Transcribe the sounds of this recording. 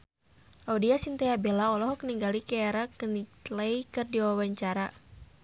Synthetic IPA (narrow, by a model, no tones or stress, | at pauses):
audiasint̪ɛabelaɔlɔɦɔkniŋɡalikɛːɾakənilaikɨrdiwawaɲt͡ʃaɾa